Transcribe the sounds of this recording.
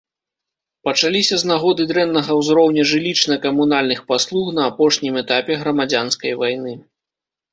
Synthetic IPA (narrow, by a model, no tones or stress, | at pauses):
pɐt͡ʂalʲisʲɐznaɣɔd̪ɨd̪ɾɛnːɐɣɐwzɾɔwnʲɐʐɨlʲit͡ʂnɐkɐmunalʲnɨxpaslˠuxnɐːpɔʂnʲimɛt̪apʲɛɣɾɐmad͡zʲanskɐjvajnɨ